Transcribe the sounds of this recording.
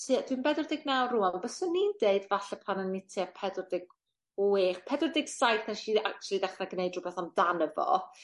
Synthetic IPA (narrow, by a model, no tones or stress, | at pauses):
tʰiːad̥winbɛdʊrdɪɡnawruanbəsɔnindeɨdvaɬɛpʰananːitʰiapʰɛdrdɪɡ | eχpʰɛdʊrdɪɡ̥sajθaʃiːak̚t͡ʃʰlˠidaχraɡnejdrʊbɛθamdanəvɔ̰